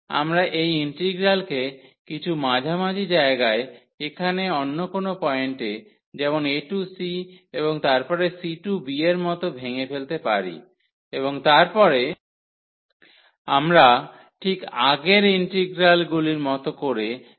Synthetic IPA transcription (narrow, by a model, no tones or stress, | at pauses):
a̰mɾaʔejiɳʈiɡɾalkekit͡ɕʰumad͡ʑʱamad͡ʑid͡ʑaeɡae | ekʰaneonːokonopɔeɳʈe | d͡ʑɛmoneʈusieβoŋt̪aɾpɔɾesiʈubieɾmɔt̪obʱeŋefelt̪epa̰ɾḭ | eβoŋt̪aɾpɔɾe | amɾa | ʈʰikaɡeɾiɳʈiɡɾalɡuliɾmɔt̪okoɾe